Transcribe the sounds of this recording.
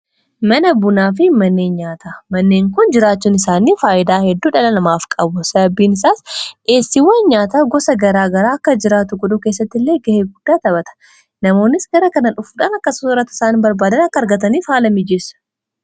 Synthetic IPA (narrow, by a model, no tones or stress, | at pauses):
mɐnɐbʊnaːfɪmɐnːeːnɲaːt̪ʰaːmɐnːeːŋkʊnd͡ʒɪɾaːt͡ʃːuːnɪsaːniːfaːʔɪd̪aːhɛd̪ːuːᶑɐlɐlɐmaːfkʼɐbʊsɐbiːnɪsaːsʔe̞ːsːɪwɐnɲaːt̪aːɡɔsɐɡɐɾaːɡɐɾaːɐkːɐd͡ʒɪɾaːt̪ʊɡɔᶑʊke̞ːs̬ːɐt̪ːɪlːe̞ːɡɐheːɡʊd̪̥ːaːt̪ɐbɐt̪ɐ̥ | nɐmo̞ːnːɪsɡɐɾɐkɐnɐᶑʊfuᶑaːnɐkːɐsʊɐrɐt̪ːɪ̥saːnbɐɾbaːd̪ɐnɐkːɐɾɡɐt̪ɐniːfhaːlɐmɪd͡ʒɛsɐ̥